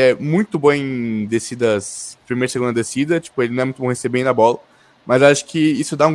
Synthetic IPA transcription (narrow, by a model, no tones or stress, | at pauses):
ɛmũj̃t̪ʊbõẽd̪esid̪ɐspɾimejɾɐseɡũnd̪ɐd̪esid̪ɐt͡ʃi̥pʊelɪnɐ̃ɛmũt̪bõɦẽsebẽj̃d̪ɐbɔlɐ | mɐzaʃʊ̥kɪisʊd̪aũ